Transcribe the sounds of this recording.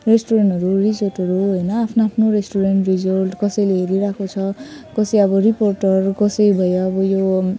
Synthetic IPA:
resʈoɾeɳʈʌɾurisʌrʈʌɾuɦojnʌapʰnaːpʰnoɾesʈoɾenʈrid͡zʌrʈkʌsʌjleɦeɾiɾakʰot͡sʰʌkʌsʌjʌbʌriporʈʌrkʌsʌjbʱʌjoːbʌjo

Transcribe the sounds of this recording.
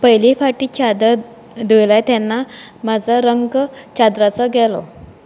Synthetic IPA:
pəjlifaʈiːt͡ɕad̪ə | d̪ujlajt̪janːamad͡zəɾəŋɡt͡ɕad̪ɾat͡səɡɛlɔ̰

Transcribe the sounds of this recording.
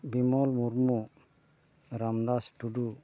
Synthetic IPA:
bimɔlmuɾmu | ɾamd̪asʈuɖu

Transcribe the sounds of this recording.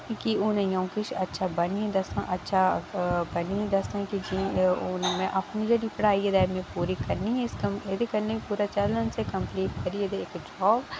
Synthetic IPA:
kiʊnẽjɐ̃wkɪʃɐtːʃʰabɐnĩd̪ɐsãʔɐtːʃʰabɐnid̪ɐsãkid͡ʒiʊnmẽʔɐpnid͡ʒɐɽipɐɽ̤aːied̪ɛːmẽpuːɾikɐɾniɦskɐed̪ikɐɾnepuːɾat͡ʃɐlənsekɐ̃mpliːʈkɐɾied̪eeːkd͡ʒɔːb

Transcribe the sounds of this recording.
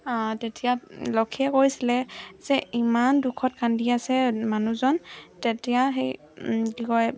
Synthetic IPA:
atɛtʰijalɔkʰiɛkojsilɛz̥ɛimandukʰɔt̚kʰandiasɛmanuzɔntɛtijaɦej | dikɔj

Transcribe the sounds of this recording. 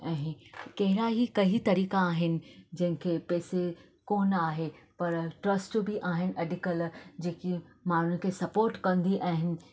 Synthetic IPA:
ɛ̃ːkɐɦɪɾaɦikɐɦit̪ɐɾiːkaːɦɪnɪ̆d͡ʑɐ̃ɦɪ̃kʰeːpɛːse | koːnaːɦe | pɐɾʈɾɐsʈbɪʔaːɦɪnɪ̆ʔɐɖʱɪkəld͡ʑeːkimaːn̤ɳ̤ʊn̆kʰeːsɐpoːɾʈkɐ̃nd̪iʔãːɦɪnɪ̆

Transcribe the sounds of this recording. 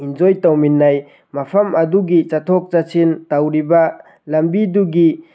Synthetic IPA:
ind͡ʒojtawminːaj | mɐpʰɐmɐduɡit͡ʃatʰɔk̚t͡ʃasʰintawɾibɐ | lɐmbiduɡi

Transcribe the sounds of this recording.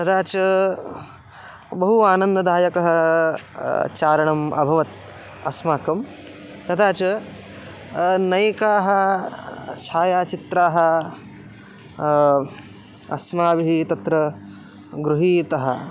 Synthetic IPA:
t̪ɐd̪aːt͡ʃɐ | bɐɦuaːnɐnd̪ɐd̪ʱaːjɐkɐɦɐ | t͡ʃaːɾɐɳɐmɐ̰bʱɐʋɐt̪̚ | ɐ̰smaːkɐm | t̪ɐd̪aːt͡ʃɐ | nɐjkaːɦɐ | t͡ʃʰaːjaːt͡ʃit̪ɾaːɦɐ̆ | ɐ̰smaːʋiɦit̪ɐt̪ɾɐ | ɡɾuɦiːt̪ɐɦɐ̰̆

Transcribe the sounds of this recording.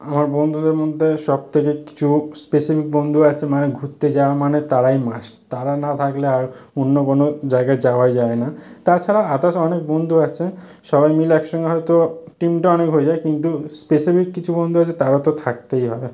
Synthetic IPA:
amaɾbond̪ʱud̪eɾmod̪ʱːeʃɔb̚t̪ʰekeki̥t͡ɕʰuspesifik̚bond̪ʱuat͡ɕʰemaneɡʱut̪ːed͡ʑaamanet̪aɾajmaʃt̪aɾanat̪ʰakleaɾonːokonod͡ʑaeɡaed͡ʑaoajd͡ʑaenat̪at͡ɕʰaɾaat̪aʃɔnek̚bond̪ʱuat͡ɕʰe | ʃɔbajmilɛkʃɔŋɡeɦɔjt̪oʈimʈaɔnekɦoed͡ʑaekint̪uspesifikːit͡ɕʰubond̪ʱuat͡ɕʰet̪aɾat̪ot̪ʰak̚t̪ejɦɔe

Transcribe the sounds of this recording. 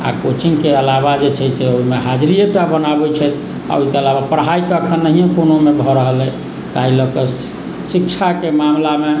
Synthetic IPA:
a̰kot͡ʃiŋkeəlaβad͡ʒet͡ʃʰɛseoimeɦad͡ʒɾijət̪abənabɛt͡ʃʰɛjt̪ʰ | a̰oikeəlaβapəɾɦait̪ɔːkʰənːəɦijẽkonomebʱɔɾəɦəlɛ | t̪ailɔkə | sikt͡ʃʰakemamlame

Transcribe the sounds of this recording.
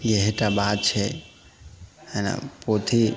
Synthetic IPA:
jeɦeʈabad̪̚t͡ʃʰɛ | hɛna̰pot̪ʰi

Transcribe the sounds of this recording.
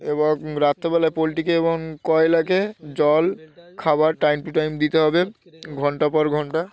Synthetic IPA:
eboɾat̪ːebɛlaepoliʈikeeboŋkɔelaked͡ʑɔlkʰabaɾʈajmpuʈajmd̪it̪eɦɔbeɡʱɔɳʈapɔɾɡʱɔɳʈa

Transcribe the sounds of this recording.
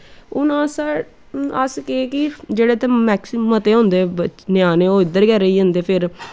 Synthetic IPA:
ʊnãːsə | əskeːkɪd͡ʒeːɽeːt̪ẽːmɛːksmət̪eːɦõːnd̪eːbənjaːnẽːoːɪd̪ːəɾɡɛːɾəiːãːnd̪eːpʰɪɾ

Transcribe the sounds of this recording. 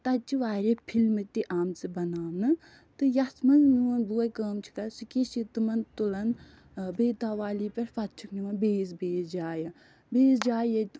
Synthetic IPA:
t̪ɐt͡ʃiʋaːɾʲepʰilmɨt̪iʔaːmt͡sɨbɐnaːmnɨ | t̪ɨjɐsmɐnzniwɐnd̪uɐjkəːmt͡ʃʰi̥kɐsikiʃit̪ɨmɐnt̪ulɐn | beːt̪aːʋaːlipʲɐɾfɐt̪̚t͡ʃʰukniʋɐnbeːzbeːzd͡ʒaːjɐ | beːzd͡ʒaːjɐt̪

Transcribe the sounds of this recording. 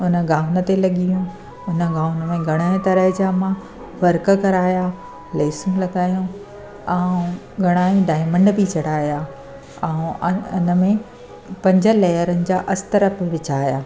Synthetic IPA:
ʊnəɡaːʊnə̆t̪elɐɠijũ | ʊnəɡaːʋʊnə̆mẽɡʱɐɽ̃aːĩt̪ɐɾəɦɪd͡ʑaːmã | ʋɐɾk̆kɐɾaːja | pleːsũlɐɡaːjũ | ɛ̃ | ɡʱɐɽ̃aːĩɖaːɪmə̃ɳɖbit͡ɕɐɽ̤aːjaː | ɛ̃ʊnə̆mẽ | pɐ̃ɲd͡ʑəlɛːjəɾənɪ̆d͡ʑaːʔɐsɪ̥t̪ɐɾəfʋɪt͡ɕaːjaː

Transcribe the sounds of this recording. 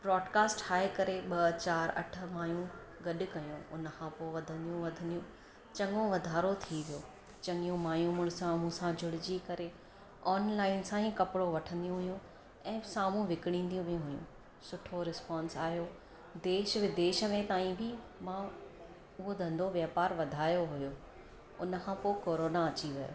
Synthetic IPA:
bɾɔːɖkaːsʈhaːekɐɾeɓɐt͡ɕaːɾɐ̰ʈʰə̆maːjũɡɐɗʊ̆kɐjũʊnəkʰãpoːʋɐd̪ʱə̃nd̪ijũʋɐd̪ʱə̃nd̪ijũ | t͡ɕɐ̃ŋɡõʋɐd̪ʱaːɾot̪ʰiʋijoː | t͡ɕɐ̃ŋɡijũmaːjũːmʊɽ̃ɪsãmũsãd͡ʑʱʊɽɪd͡ʑikɐɾe | ɔːnlaːɪnsãĩkɐpɪɽoʋɐʈʰə̃nd̪ijũɦʊjũ | ɛ̃ːsaːmũʋɪkɪɽ̃ĩːnd̪ijũʋijũɦʊjṵ̃ | sʊʈʰoɾɪspaːnsaːɦijo | d̪eːʃʋɪd̪eːʃə̆mẽt̪aːĩbʱɪ | mã | ʊɦod̪ʱɐ̃nd̪ʱoʋjaːpaːɾʋɐd̪ʱaːjoɦʊjoː | ʊ̰nə̆kʰãpoːkoːɾoːnaɐt͡ɕiʋɐjo̰ː

